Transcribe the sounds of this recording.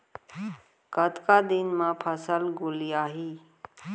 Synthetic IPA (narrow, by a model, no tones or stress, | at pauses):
kət̪kad̪inmãpʰəsəlɡʊlijaːɦiː